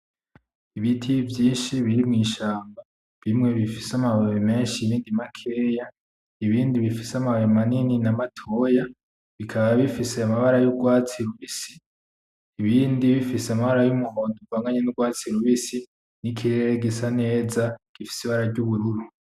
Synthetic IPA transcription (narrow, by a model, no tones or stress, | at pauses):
iβitʰivjiːnʃiβiɾimŋiːʃaːmba | βimŋe̞βifisamaβaβeme̞ːnʃiβiːndimakʰe̞ːja | iβiːndiβifisamaβaamanininamatʰoja | βikʰaβaβifise̞amaβaɾajuɡwaːt͡siɾuβisi̥ː | βiːndiβifiseamaβaɾajumuɦoːnduvaːŋɡaɲenuɡwaːt͡siɾuβisi | nikʰiɾeɾeɡisane̞ːzaɡ̥ifi̥siβaɾaɾɟuβuɾuɾu